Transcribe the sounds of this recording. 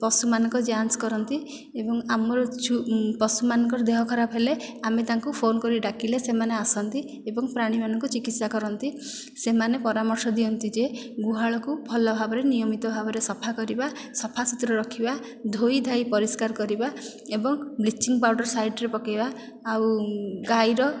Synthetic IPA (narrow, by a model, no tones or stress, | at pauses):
pɔsumanɔ̃ŋkɔd͡ʒansɔ̥kɔɾɔnt̪i | ebɔŋamɔɾɔt͡ʃʰupɔsumanɔŋkɔɾɔd̪eɦɔkʰɔɾabʱɦeleamet̪aŋkupʰonɔkɔɾiɖakilesemaneasɔnt̪i | ebɔŋpɾaɽ̃imanɔŋkut͡ʃikit̪sakɔɾɔnt̪i | semanepɔɾamɔɾsɔd̪iɔnt̪id͡ʒe | ɡuɦaɭɔkubʰʱɔlɔbʱabɔɾenijɔmit̪ɔbʱabɔɾesɔpʰakɔɾiba | sɔpʰasit̪ɾɔɾɔkʰiba | d̪ʱojid̪ʱajpɔɾiskaɾkɔɾiba | ebɔŋblit͡ʃːiŋɡpawɖɔɾsajɖɔɾepɔkabaː | wɡajɾɔ